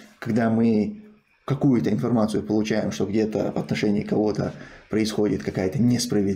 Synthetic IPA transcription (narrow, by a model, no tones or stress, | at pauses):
kɐɡd̪amɨ | kɐkujʊt̪əɪnfɐrmat̪sɨjʊpəlˠʊt͡ɕæjɪmʂt̪o̞ɡdʲe̞t̪ə̰vɐ̰t̪nɐʂɛnʲɪɪkɐvo̞t̪ə̰pɾəɪsxo̞dʲɪt̪kɐkajət̪ənʲespɾəvʲɪ